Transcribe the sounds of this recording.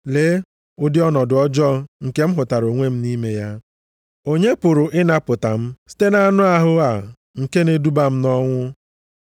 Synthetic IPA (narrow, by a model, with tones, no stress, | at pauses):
le˦ | ʊ˦dɪ˦ɔ˦nɔ˨dʊ˨ɔ˦d͡ʒɔ˦ŋ̩˨ke˦m̩˦ɦʊ˨ta˨ɾo˨ŋʷe˦m̩˦ni˦me˦ja˦ | o˦ɲe˦pʊ˨ɾʊ˨ʔɪ˦na˦pʊ˨ta˨m̩˦si̥˦te˦na˦nʊ˦a˦ɦʊ˦a˨ | ŋ̩˨ke˦ne˦du˦ba˦m̩˦nɔ˦ŋʷʊ˦